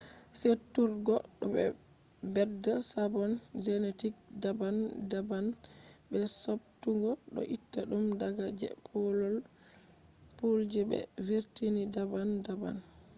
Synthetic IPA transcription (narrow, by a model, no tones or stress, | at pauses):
setːuɾɡɔɗɔbɛ̰ | bɛdasabɔnd͡ʒɛnetik̚ | dabandaban | bɛsob̚tuɡɔɗɔ̰ʔitːaɗumdaɡad͡ʒɛ̰pʰɔlɔl | puld͡ʒɛbɛ̰veɾtinidabandaba̰n